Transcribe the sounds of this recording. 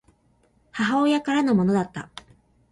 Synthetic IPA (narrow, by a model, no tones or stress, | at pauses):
haɦaojakaɾano̞mo̞no̞d̪at̪ːa̰